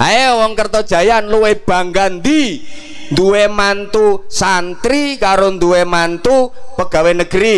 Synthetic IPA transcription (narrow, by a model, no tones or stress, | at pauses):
aewɔŋkərt̪ɔd̥ʒ̥ä̤janluweb̥a̤ŋɡand̪i | nd̪uwemant̪usant̪ɾikaɾond̪uwemant̪upəɡ̥a̤wenəɡ̥əɾi